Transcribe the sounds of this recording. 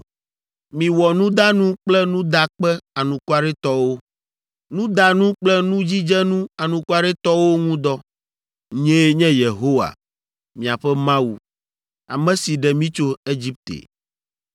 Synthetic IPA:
mĩ˨wɔ˨nũ˦d̪a˦nũ˦k͡plɛ˦nũ˦d̪a˦k͡pɛ˦a˨nũ˨ku˦a˦˨ɖɛ˦t̪ɔ˦wo˦ | nũ˦d̪a˨nũ˦k͡plɛ˦nũ˦d͡ʑi˦d͡ʒɛ˦nũ˦a˨nũ˨ku˦a˦ɖɛ˦t̪ɔ˦wo˦ŋũ˦d̪ɔ˦ | ɲɛ̃˦ɲɛ̃˦je˨ɦo˦wa̰˨ | mĩ˨a˨ɸɛ˦mã˦wu˨ | a̰˨mɛ̃˦si˨ɖɛ˨mĩ˦t͡ʃo˦e˦d͡ʑi˦p̚t̪ḛ˨

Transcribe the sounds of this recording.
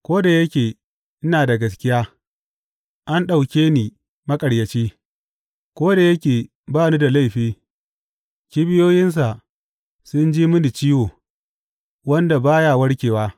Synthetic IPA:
kʷoː˦da˨jɐ˦kʲeː˨ | ʔɪ˦naː˨da˨ɡɐ˨s̬kʲɪ˦jaː˦ | ʔa˦nɗa˨wkʲeː˦niː˨ | mɐ˦kʼɐ˨ɽjɐ˨t͡ʃiː˦ | kʷoː˦da˨jɐ˦kʲeː˨ | baː˦nuː˦da˨la˦˨jɸiː˦ | kʲi˦bɪ˦joː˦jɪ˦ns̬a˨ | sʊ˦nd͡ʒiː˦mʊ˦ni˨t͡ʃiː˦woː˨ | wɐ˦nda˨baː˦ja˦˨wɐ˦ɽkʲeː˨waː˦

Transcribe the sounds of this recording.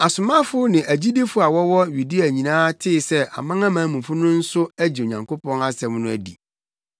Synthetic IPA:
a˨sʊ˨mã˦fʊ˦nɪ̃˨ʔæ˨d͡ʑi˦de˦fʊ˦a˨wɔ˦wɔ˦ɥi˨di˦æ˨ɲĩ˨nãː˦tʰɪ˦˨sɛ˦ʔa̰˨mã˦ŋã˦mãː˨˦mũ˨fʊ˦nʊ̃˦n̩˦sʊ˦æ˦d͡ʑi˨o˨ɲã˨ŋkʰo˦pɔ̃˦na˦sɛ̃˦mnʊ̃˦æ˦dḭ˨

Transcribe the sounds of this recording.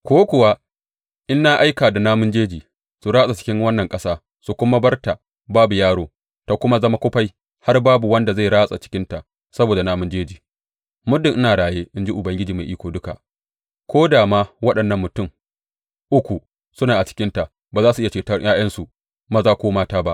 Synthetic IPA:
kʷoː˦kʷʊ˨wa˦ | ʔɪ˦nːa˦ʔa˦jkaː˨da˨naː˦mʊ˦nd͡ʒeː˦d͡ʒiː˨ | su˨ɾaː˦sʼa˨t͡ʃɪ̥˦kʲɪ˦ŋwɐ˦nːɐ˨ŋkʼɐ˦saː˦ | su˨kʷʊ˦ma˦bɐ˦rta˨ | baː˦bu˨jaː˦ɽoː˦ | ta˨kʷʊ˦ma˦zɐ˦ma˦kʷʊ˦ɸa˦j | ha˦rbaː˦bu˨wɐ˦nda˨za˦˨ɽaː˦sʼa˨t͡ʃɪ̥˦kʲɪ˦nta˨ | sɐ˦boː˨da˨naː˦mʊ˦nd͡ʒeː˦d͡ʒiː˨ | mʊ˦dɪ˨ŋʔɪ˦naː˨ɽaː˨jeː˦ʔɪ˦nd͡ʒi˦ʔʊ˨bɐ˦ŋɡʲɪ˦d͡ʒiː˨ma˨jʔiː˦kʷoː˨dʊ˦ka̰˨ʔ | kʷʰoː˦daː˨maː˦wɐ˦ɗɐ˨nːɐ˦˨mːʊ˨tʊ˦˨m | ʔʊ˦kʷu˨ | sʊ˦naː˨ʔa˨t͡ʃɪ̥˦kʲɪ˦nta˨ | baː˨zaː˦su˨ʔjt͡ʃeː˨tɐ˦rj̰ʔaː˦j̰ɐ˦nsu˨ | maː˨zaː˦˨kʷoː˦maː˦taː˦ba˦ʔ

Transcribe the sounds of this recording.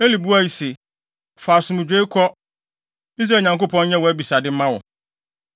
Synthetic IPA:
e˦li˨bu˦a˦˨ji˨se˨ | faː˨sʊ̃˨mũ˨d͡ʑᶣe˦kʰɔ˦ | i˦s̬ɾa˨ɲã˨ŋko˦pʰɔ̃˦nɲɛ̃˦wɔ˨æ˦bi˨sa˨dɪ˦m̩˦mã˦wɔ˨

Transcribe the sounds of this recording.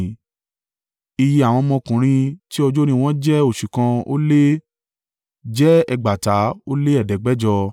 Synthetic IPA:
i˧ji˧a˨w̃ɔ̃˧mɔ̃˧kũ˨ɾ̃ĩ˧ti˦ɔ˧d͡ʒo˦ɾ̃ĩ˧w̃ɔ̃˦d͡ʒɛ˦o˦˨ʃu˨kã˧o̰˦le˦ | d͡ʒɛ˦ɛ˧ɡ͡ba˨ta˨˦o˦le˦ɛ˦˨dɛ˨ɡ͡bɛ˨˦d͡ʒɔ˧

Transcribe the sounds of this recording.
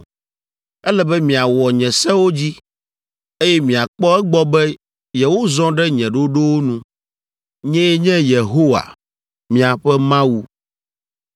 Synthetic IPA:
ɛ˦lɛ˦bɛ˦mĩ˨a˨wɔ˨ɲɛ̃˨sɛ̃˦wo˦d͡ʑi˦ | e˦jɛ˦mĩ˨a˨k͡pɔ˦ɛ˦ɡ͡bɔ˦bɛ˦ | jɛ˨wo˦zɔ̃˦ɖɛ˦ɲɛ̃˨ɖo˦ɖo˦wo˦nũ˦ | ɲɛ̃˦jɛ˦ɲɛ̃˦je˨ɦo˦wa̰˨ | mĩ˨a˨ɸɛ˦mã˦wu˦

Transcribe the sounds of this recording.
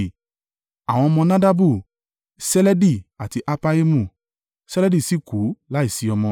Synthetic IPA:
a˨w̃ɔ̃˧mɔ̃˧nã˦da˦bu˦˨ | sɛ˦lɛ˦di˦˨a˨ti˧ʔa˦pa˦e˦mũ˦˨ | sɛ˦lɛ˦di˦˨si˦ku˨˦la˦i˦˨si˨˦ɔ˧mɔ̃˧

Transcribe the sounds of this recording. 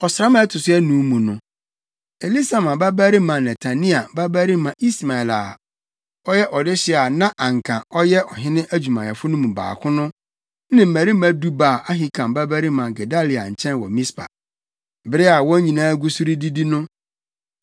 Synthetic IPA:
ɔ˨sɾa˦mã˨˦ɛ˦tʰʊ˨sʊ˦ɛ˦nũ˨˦mũ˨nʊ̃˨ | e˨li˦sa˨mã˨ba˦bæ˦ɾi˦mã˨nɛ˨tʰa˨nĩ˦a˨ba˦bæ˦ɾi˦mã˨ʔi˦sma˨ɛ˨la˨ | ɔ˦jɛ˦ʔɔ˨dɪ˦ɕɪ˦˨a˨nã˦ʔã˨ŋ˨kʰã˨ɔ˦jɛ˦ʔɔ˨ɦɪ̃˦nɪ̃˦ʔæ˦d͡ʑᶣu˨mã˨jɛ˨fʊ˦nʊ̃˦mũ˨ba̰ː˨kʰʊ̃˦nʊ̃˦ | nɪ̃˦˨m̩˨mæ˨ɾi˦m̩˦æ˦du˦ba˨ʔa˦ɦi˦kʰã˨mba˦bæ˦ɾi˦mã˨ɡɛ˨da˦li˨a˨ɲ̩˨t͡ɕʰɛ̃˦nwɔ̰˨mĩ˦spʰa̰˨ | bɪ˨˦ɾɪ˦a˨wɔ̃˦ɲĩ˨nãː˦ɡu˦su˦ɾi˦di˦di˦nʊ̃˦

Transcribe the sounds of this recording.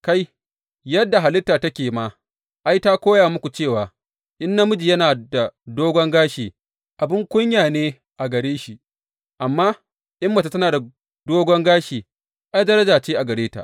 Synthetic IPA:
ka˦j | jɐ˦dːa˨ɦa˨lɪ˦tːaː˨tɐ˦kʲeː˨ma˨ | ʔa˦jta˦kʷoː˦jaː˨mʊ˦kʷu˨t͡ʃeː˦˨waː˨ | ʔɪ˦nːɐ˦mʊ˦d͡ʒi˨jɐ˦naː˨da˨doː˦ɡʷɔ˦ŋɡaː˦ʃiː˨ | ʔa˨bɪ˦ŋkʷʊ˦ɲjaː˨neː˦ | ʔa˨ɡɐ˨ɽeː˦ʃi˦˨ʔ | ʔa˨mːaː˦ | ʔɪ˦mːɐ˨ta˨tɐ˦naː˨da˨ | doː˦ɡʷɔ˦ŋɡaː˦ʃiː˨ | ʔa˦jdɐ˦ɾɐ˦d͡ʒaː˨t͡ʃeː˦ʔa˨ɡɐ˨ɾeː˦ta̰˨ʔ

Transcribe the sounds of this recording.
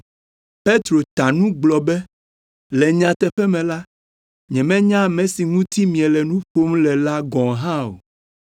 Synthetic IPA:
pe˦t̪ɾo˨t̪a˨nũ˦ɡ͡blɔ˨bɛ˦ | lɛ˨ɲã˨t̪ɛ˨ɸɛ˦mɛ̃˨la˦ | ɲɛ̃˨mɛ̃˦ɲã˦˨mɛ̃˨si˨ŋũ˦t̪i˦mĩ˨ɛ˨lɛ˨nũ˦ɸo˦mlɛ˨la˦ɡɔ̃˨ɦã˦o̰˨

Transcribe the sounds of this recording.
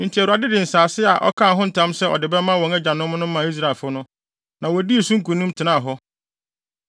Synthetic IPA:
n̩˨tʰi˨æ˨ɾu˨a˨dɪ˦dɪ˨n̩˨saː˨sɪ˦a˨ʔɔ̰˦kʰã˦˨˦ɦʊ̃˦n̩˨tʰã˦msɛ˦ɔ̰˨dɪ˨bɛ˦mã˦wɔ̃˨ŋɛ˦d͡ʑã˨nʊ̃˦m˦nʊ̃˦ã˨i˦s̬ɾa˦˨lfʊ˦nʊ̃˦ | nã˨wɔ˨di˦e˨sũ˦ŋ̩˦kũ˨nʊ̃˦mtʰɪ˨nã˦˨ɦɔ˦

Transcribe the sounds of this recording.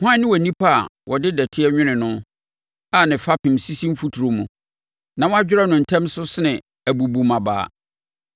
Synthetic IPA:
hʊ˦ã˦nɪ̃˦wæ˨nĩ˦pʰa˦a̰˨wʔɔ˨dɪ˦dɛ˨tʰɪ˦ɛ˦ɲᶣɪ̃˦nɪ̃˨nʊ̃˦ | a˦˨nɪ̃˨fa˦pʰɪ̃˨m˨si˦sĩ˦m̩˦fu˦tʰu˨ɾo˨mũ˨ | nã˨wɔ˦a˦d͡ʑᶣɪ˦ɾa˦nʊ̃˨n̩˨tʰɛ̃˦msʊ˦sɪ˦nɪ̃˨ | æ˨bu˨bu˨mã˨ba̰ː˨˦˨

